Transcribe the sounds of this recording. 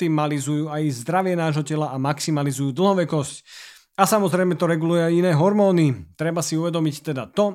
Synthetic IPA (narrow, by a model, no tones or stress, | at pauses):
t̪imalizujuːajzd̪ɾaʋɪɛnaːʒɦɔcɛlaʔamaksimalizujuːd̪l̩ɦɔʋɛkɔsc | asamɔzɾɛjmɛt̪ɔɾɛɡulujɛajinɛːɦɔɾmɔːnit̪ɾɛbasiuʋɛd̪ɔmict̪ɛd̪at̪ɔ